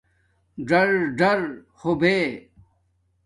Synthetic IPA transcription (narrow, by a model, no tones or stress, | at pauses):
ɖɐɾɖɐɾ | xobeː